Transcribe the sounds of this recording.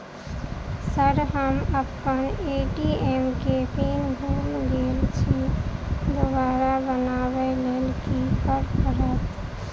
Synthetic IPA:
səɾɦəməpkəneːʈieːmket̪iːnbʱuːlɡeːlt͡ʃʰi | d̪obaːɾabənaːʋɛleːlkikəɾkəɾət̪

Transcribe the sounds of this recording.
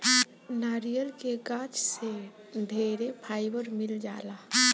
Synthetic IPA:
naɾijəlkeɡat͡ʃse | d̪ʱeɾepʰajbəɾmild͡ʒala

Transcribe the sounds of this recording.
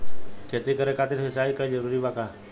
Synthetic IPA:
kʰeːt̪ikəɾeːkʰaːt̪ɪɾsɪsaːikad͡ʒəɾuːɾiːbaːkaː

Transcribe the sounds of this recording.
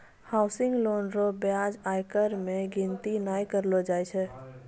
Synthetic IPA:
haːʊsɪ̃ŋɡloːnɾobjad͡ʒaːjkəɾmẽɡɪ̃nt̪inaːjkəɾlod͡ʒaːjt͡ʃʰɛ

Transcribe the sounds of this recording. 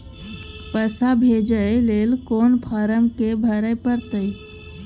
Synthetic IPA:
pəsabʱeːd͡ʒəeleːlkoːnpʰaːɾəmkebʱəɾəjpəɾt̪əi

